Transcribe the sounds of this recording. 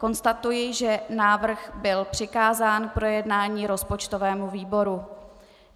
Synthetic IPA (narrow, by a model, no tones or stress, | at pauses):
ko̞nst̪at̪ujɪʒɛnaːvr̩ɣbɪlpr̝̥ɪkaːzaːnpɾo̞jɛdnaːɲiːɾo̞spo̞t͡ʃt̪o̞vɛːmuviːbo̞ɾu